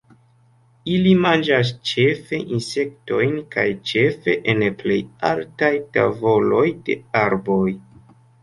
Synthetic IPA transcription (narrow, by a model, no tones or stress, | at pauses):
ilimand͡ʒas̬t͡ʃe̞fe̞ʔinse̞k̚to̞jnkajt͡ʃe̞fe̞ʔenple̞ja̰ltajta̰vo̞lo̞jde̞̰aɾbo̞j